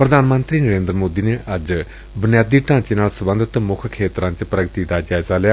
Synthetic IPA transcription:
pɾəd̪aːnmənt̪ɾiːnəɾẽːnd̪ɾmoːd̪iːneːʔəd͡ʒ | bʊnɪjaːd̪iːʈãːt͡ʃeːnaːlsəbə̃nd̪ʱət̪mʊkʰkʰeːt̪ɾãːt͡ʃpɾəɡət̪iːd̪aːd͡ʒaːɪzaːlɪjaː

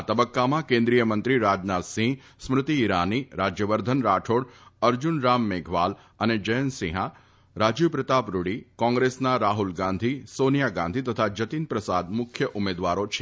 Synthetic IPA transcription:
at̪əbəkːamãkẽnd̪ɾijəmə̃nt̪ɾiɾad͡ʒnat̪sĩ | smɾɪt̪iːɾaniɾad͡ʒjəʋəɾd̪ʱənɾaʈʰoɽəɾd͡ʒunɾamːeɡʱʋal | əned͡ʒəjənsĩɦa | ɾad͡ʒjupɾɪt̪apɾuɽikɔ̃ŋɡɾesnaɾaɦulɡãnd̪ʱisonijaɡã̰nd̪ʱit̪ət̪ʰad͡ʒət̪inpɾəsad̪mʊkʰjəʔumed̪ʋaɾot͡ʃʰe

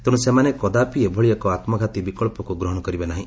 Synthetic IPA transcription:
t̪ẽũsemanekɔd̪apiebʱɔɭijakɔat̪mɔɡʱat̪ibikɔɭpɔkuɡɾɔɦɔɽ̃ɔkɔɾibenaɦĩ

